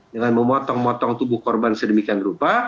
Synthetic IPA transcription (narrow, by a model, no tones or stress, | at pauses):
d͡ʒaŋanməmɔt̪ɔŋmɔt̪ɔŋt̪ubʊhkɔrbansədəmikianrupa